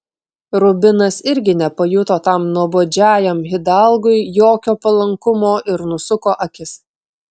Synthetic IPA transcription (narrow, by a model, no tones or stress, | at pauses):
ɾʊbʲɪnɐsɪɾʲɡʲɪnʲɛpɐjʊt̪oːt̪ɐmnuɔboːd͡ʒʲæːjɛmɦʲɪd̪ɑlˠɡʊɪjoːkʲoːpɐlˠɐŋkʊmoːʔɪɾnʊsʊkoːʔɐkʲɪs